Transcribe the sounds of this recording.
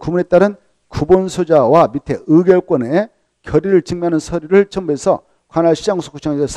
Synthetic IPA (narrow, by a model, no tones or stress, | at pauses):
kumune̞t͈aɾɯn | kubonsʰod͡ʑawamitʰe̞ɯɡjʌɭk͈wʌne | kjʌɾiɾɯɭt͡ɕɯŋmjɦanɯnsʰʌɾiɾɯɭt͡ɕʰʌmuesʰʌ̰ | kwanaɭɕʰid͡ʑaŋsʰo̥kʰuɕʰaŋesʰesʰ